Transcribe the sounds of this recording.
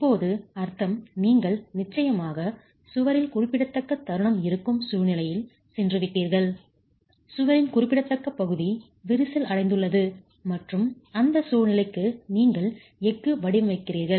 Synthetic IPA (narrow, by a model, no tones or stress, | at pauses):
ɪpːoːðɯɐɾt̪ɐmniːŋɡɐɭnɪt͡ʃːɐjɐmaːɣɐ | sʊʋɐɾɪlkʊrɪpːɪɽɐt̪ːɐkːɐt̪ːɐɾɯɳɐmɪɾɯkːɯmsuːɻnɪlɐjɪl | sɛndrɯʋɪʈːiːɾɣɐɭ | sʊʋɐɾɪnkʊrɪpːɪɽɐt̪ːɐkːɐpːɐɣɯði | ʋɪɾɯsɪlɐɽɐɪnd̪ɯɭːɐðɯ | mɐʈrɯmɐnd̪ɐsuːɾnɪlɐɪkːɯniːŋɡɐɭ | ɛkːɯʋɐɽɪʋɐʋɐɪkːɪriːɾɣɐɭ